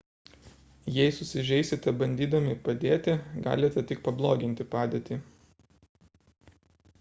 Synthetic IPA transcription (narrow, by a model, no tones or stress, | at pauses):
jɛɪsʊsʲɪʒʲɛɪsʲɪt̪ɐbɐnʲd̪ʲiːd̪ɐmʲɪpɐd̪ʲeːt̪ʲɪɡɑ̰ːlʲɪt̪ʲɐt̪ʲɪkpɐblˠoːɡʲɪnʲt̪ʲɪpɑːd̪ʲeːt̪ʲiː